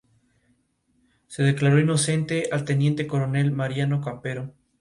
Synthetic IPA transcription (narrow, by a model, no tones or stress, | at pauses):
se̞ðe̞klaɾo̞ino̞se̞nt̪e̞ʔalt̪e̞nje̞nt̪e̞ko̞ɾo̞ne̞lmaɾjano̞kampe̞ɾo̞